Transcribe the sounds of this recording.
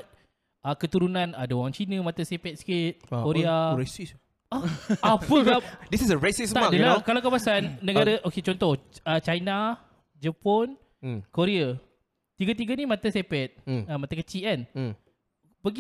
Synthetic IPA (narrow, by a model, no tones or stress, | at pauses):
t̪̚ | akət̪uɾunãnadaoaŋt͡ʃinə̃mat̪asepɛt̪̚si̥kit̪̚koɾeaɹesis | aapunɡap̚disisəɹesist̪aadəlakalawkapasanːəɡaɾəʔoket͡ʃɔnt̪ɔhət͡ʃajna | d͡ʒapɔn | koɾea | t̪iɡat̪̬iɡanimat̪asepɛt̪̚amat̪akət͡ʃian | pəɡi